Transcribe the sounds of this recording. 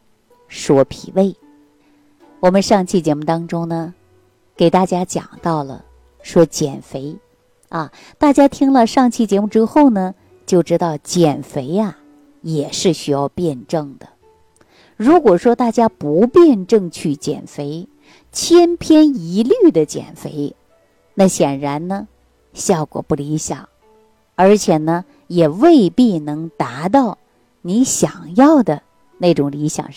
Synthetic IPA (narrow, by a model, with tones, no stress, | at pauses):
ʂwɔ˥pʰḭ˨˩we˥˩ɪ | wɔ˨˩mə˦nʂɑ˥˧ŋt͡ɕʰi˥˩t͡ɕjɛ˧˥mu˥˩t̪ɑ˥ŋʈ͡ʂʊ˥ŋnə˨ | ke˨˩ɪt̪a˥˩t͡ɕja˥t͡ɕjɑ̰˨˩ŋt̪ɑ˥˩ʊlə̰˩ | ʂwɔ˥t͡ɕjɛ̰˨˩nfe˧˥ɪ | ɐ˧ | t̪a˥˩t͡ɕja˥t̪ʰi˥ŋlə˧ʂɑ˥˧ŋt͡ɕʰi˥˩t͡ɕjɛ˧˥mu˥˩ʈ͡ʂɻ̩˥xo˥˩ʊnə˩ | t͡ɕjo˥˩ʊʈ͡ʂɻ̩˥t̪ɑ˥˩ʊt͡ɕjɛ˨˩nfe˧˥ɪɐ˧ | jɛ˨˩ʂɻ̩˥˩ɕy˥jɑ˥˧ʊpjɛ˥˧nʈ͡ʂɤ˥˩ŋd̪ə˩ | ɻu˧˥kwɔ˨˩ʂwɔ˥t̪a˥˩t͡ɕja˥pu˧˥pjɛ˥˧nʈ͡ʂɤ˥˧ŋt͡ɕʰy˥˩t͡ɕjɛ̰˨˩nfe˧˥ɪ | t͡ɕʰjɛ˥npʰjɛ˥ni˧˥ly˥˩d̪ə˩t͡ɕjɛ̰˨˩nfe˧˥ɪ | na˥˩ɕjɛ˨˩nɻa˧˥nnə˧ | ɕjɑ˥˩ʊkwɔ̰˨˩pu˥˩li˧˥ɕjɑ˨˩˦ŋ | ə˞˧˥t͡ɕʰjɛ˨˩nə˧ | jɛ˨˩we˥˧ɪpi˥˩nɤ˧˥ŋt̪a˧˥t̪̬ɑ˥˩ʊ | ni˧˥ɕjɑ˨˩ŋjɑ˥˩ʊd̪ə˩ | ne˥˩ʈ͡ʂʊ˨˩ŋli˧˥ɕjɑ̰˨˩ŋ